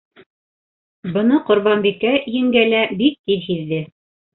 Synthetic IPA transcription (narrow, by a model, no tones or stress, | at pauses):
bɤ̆nɤqŏɾβɑnbikæjɘ̆ŋɡælæbik̚t̪iðhiðːɘ